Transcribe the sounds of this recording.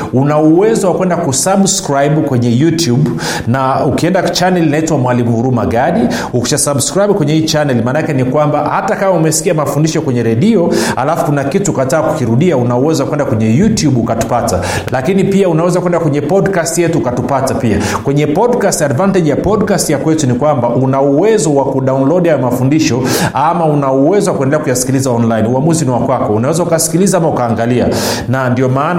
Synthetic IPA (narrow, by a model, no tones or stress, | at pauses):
unauwɛzɔwakwɛndakusabskɾajɓkwɛɲɛjutjub | naukiɛndat͡ʃanɛlinaitwamwalimuhuɾumaɡaɗi | uki̥ʃasabskɾaibkwɛɲɛhiːt͡ʃanɛlimaːnakɛnikwambahatakamaumɛsi̥kiamafundiʃɔkwɛɲɛɾɛɗiɔa̰lafukunakituːkataːku̥kiɾuɗiaunauwɛzwakwɛndakwɛɲɛjutjuɓukatu̥pata̰ | lakinipiaunawɛzakuwɛndakwɛɲɛpɔdkastjɛtuːkatupatapiakwɛɲɛpɔdkastadvantɛʄjapɔɗkastjakwɛtunikwambaʔunauwɛzɔwakuɗawnlɔɗjajɔmafundiʃɔamaunauwɛzɔwakuɛndɛlɛakujasi̥kilizaɔnlainuamuziniwakwakɔunawɛzaukasi̥kilizaamaukaːŋɡalia̰ | nandiɔmaːn